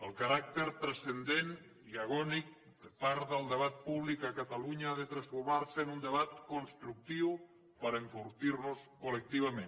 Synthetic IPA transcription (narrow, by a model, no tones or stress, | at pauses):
əlˠkaɾak̚t̪əɾt̪ɾəsənd̪en | iaɣ̞ɔnik̚ | d̪əpaɾt̪ðəlˠd̪əβ̞at̪̚puβlikəkət̪aluɲaaðət̪ɾəsfumaɾsənund̪əβat̪kunst̪ɾuk̚t̪iw | pəɾəɱfuɾt̪iɾnuskolək̚t̪iβəmẽn